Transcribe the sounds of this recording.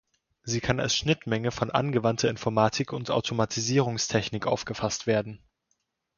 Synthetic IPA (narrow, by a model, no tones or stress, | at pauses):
ziːkʰana̰lsʃnɪtmɛŋəfɔnʔa̰nɡəvantʰɐɪnfɔɐmaːtʰɪkʊnta̰ʊtʰomatʰiziːʁ̞ʊŋstʰɛçnɪkʔa̰ʊfɡ̥əfastv̥eːɐdn̩